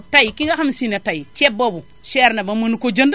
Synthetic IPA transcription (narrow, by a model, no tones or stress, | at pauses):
taikiŋɡaxamsinatait͡ʃebːabu | ʃeɾnabamunukod͡ʒand